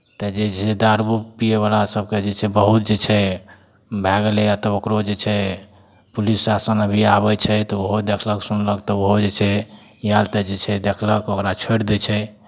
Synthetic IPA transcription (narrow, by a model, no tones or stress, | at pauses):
t̪əd͡ʒed͡ʒsed̪aɾbupijeβalasəbked͡ʒet͡ʃʰɛbəɦut̪̚d͡ʒet͡ʃʰɛ | bʱɛɡəlɛjat̪ɔokɾod͡ʒet͡ʃʰɛ | pulisːasənəbʱiabət͡ʃʰɛt̪ɔoɦod̪ekʰləksunləkt̪ɔoɦod͡ʒet͡ʃʰɛ | jalt̪ed͡ʒet͡ʃʰɛd̪ekʰləkokɾat͡ʃʰeɽd̪ɛt͡ʃʰɛ